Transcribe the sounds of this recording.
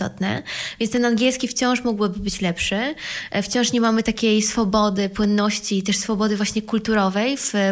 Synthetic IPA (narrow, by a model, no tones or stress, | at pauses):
ɔ̰t̪nɛ̰vʲjɛnt̪ɛnanɡʲjɛlskʲift͡ɕɔ̃w̃ʂmɔɡwɘbɘbɘt͡ɕlɛpʂɛft͡ɕɔ̃w̃ʂɲɛmamɘt̪akʲejsfɔbɔd̪ɘpwɘnːɔɕt͡ɕiːt̪ɛʂsfɔbɔd̪ɘvwaɕɲɛkult̪uɾɔvɛjv